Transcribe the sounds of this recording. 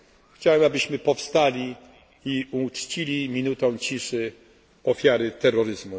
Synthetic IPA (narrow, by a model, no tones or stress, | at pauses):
xt͡ɕawɛmabɘɕmɘpɔfst̪alʲi | iut͡ʂt͡ɕilʲimʲinut̪ɔ̃w̃t͡ɕiʂɘ | ɔfʲjaɾɘt̪ɛɾːɔɾɘzmu